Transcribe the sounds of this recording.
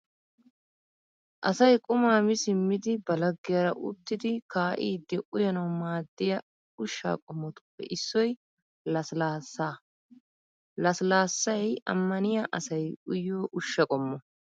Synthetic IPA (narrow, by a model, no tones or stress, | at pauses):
ʔɐsɐjkʼʊmaːmɪsɪmːɪd̪ɪbɐlɐɡːɪjɐɾɐʔʊ̰t̪ːɪd̪ɪkaːʔḭːd̪ɛʔʊjɐnɐwmaːd̪ːɪjɐ | ʊʃːa̰ːkʼɔmːɔt̪ʊ̥pːɛ̰ʔɪsːɔj | lɐslasaː | lɐslaːsːɐjɐ̰mːɐnɪjɐʔɐsɐjʊjːoːʔʊʃːɐkʼɔmːɔ